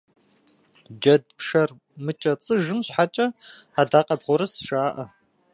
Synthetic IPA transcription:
d͡ʒɐdpʂɐr | mɨt͡ʃʼɐt͡sʼɨʒɨmɕħat͡ʃʼɐadaːqʼɐbʁʷʊɾɐsʂʼaːʔɐ

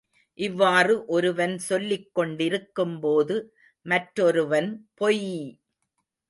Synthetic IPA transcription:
ʔɪʋːaːrɯʔɔɾɯʋɐnsɔlːɪkːɔɳɖɪɾɯkːɯmpoːðɯ | mɐʈɾɔɾɯʋɐnpɔji

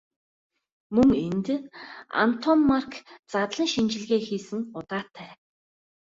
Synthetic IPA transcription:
mɵŋent̪a̰n̥t̪ʰɔmːarkt͡sat̪ɮə̆ŋʃint͡ɕɪ̆ɮɣeːxiːsɘ̆ŋʊt̪aːt̪ʰːæː

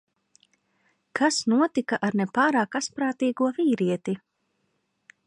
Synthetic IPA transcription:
kʰasnuɔt̪ikaʔaɾnepaːɾaːkaspɾaːt̪iːɡuɔviːɾiɛt̪i

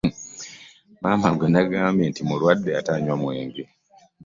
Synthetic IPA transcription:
maːmaŋɡenaɡaːmentimuɾwadːeataɲwamweːŋɡi

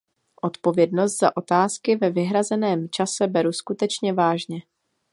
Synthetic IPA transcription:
ʔo̞t̪po̞vjɛdno̞st̪z̥a̰ʔo̞t̪aːskɪvɛvɪɦɾazɛnɛːmt͡ʃasɛbɛɾuskut̪ɛt͡ʃɲɛvaːʒɲɛ

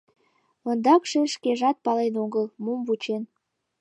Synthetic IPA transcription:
ond̪ɑkʃeʃkeʒɑt̪̚pɑlenoɣəlmumvut͡ɕen

